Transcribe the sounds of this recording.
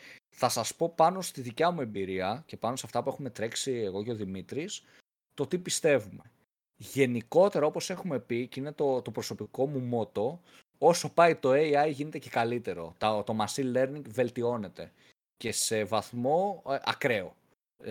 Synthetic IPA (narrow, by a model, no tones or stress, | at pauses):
θɐsɐspo̞pɐno̞st̪iðicɐmue̞mbiɾiɐce̞pɐnosɐft̪ɐpue̞xume̞t̪ɾe̞ksieɣo̞ceo̞ðimit̪ɾis | t̪o̞t̪ipist̪e̞vume̞ | ʝe̞niko̞t̪e̞ɾɐo̞po̞se̞xume̞picine̞t̪ot̪o̞pɾo̞so̞piko̞mumo̞t̪o̞ | o̞so̞pɐit̪o̞eiɐjʝine̞t̪ece̞kɐlit̪e̞ɾo̞̰t̪ɐt̪o̞mɐsile̞ɾniŋɡve̞lt̪io̞ne̞t̪e̞ | ce̞se̞vɐθmo̞ɐ̰kɾe̞o̞̰